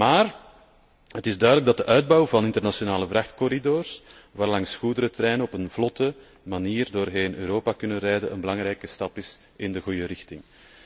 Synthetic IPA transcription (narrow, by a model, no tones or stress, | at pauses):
maːr | hətɪzdœɥdələɡ̚dɑt̚dəʔœɥd̚bɑwvɑnɪntərnasjonaːləvrɑxtkɔɾidoːrs | ʋaːrlɑŋsxudəɾətəɾɛːnənɔpənv̥lɔtə | maniːrdoːrɦeːnʔø̰ːɾoːpakʏnənrɛjdənʔə̰nbəlɑŋɾɛjkəstɑpɪs | ɪndəɣujəɾɪxtɪŋ